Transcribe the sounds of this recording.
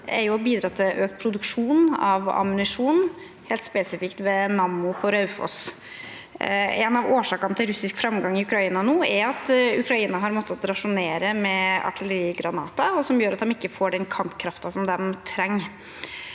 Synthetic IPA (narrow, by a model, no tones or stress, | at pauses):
ʔɛ̰ɾjʊɔbiːd̪ɾɑːt̪ʰɪlʔøːkt̪̚pʰɾʊd̪ʉkʂuːnɑ̰ʋɑ̰mʉnɪʂuːn | heːlt̪spesɪfɪkt̪ʋɛnɑmːʊpʰɔɾɑʉfɔ̰s | ɛnɑʋoːʂɑːkɑnət̪ʰɪlɾʉsɪskfɾɑmɡɑŋːɪʉkɾɑiːnɑnuːɛɾɑt̪ʉ̰kɾɑiːnɑɦɑɾmɔt̪ʰːət̪ɾɑʂʊneːɾəmɛɑ̰ʈʰɪlɛɾiːɡɾɑnɑːt̪ɑɔsɔmjøːɾɑt̪̚d̪ɑmɪkːəfoːɖɛnkʰɑmpkʰɾɑft̪ɑsɔmd̪ɛmt̪ʰɾɛŋː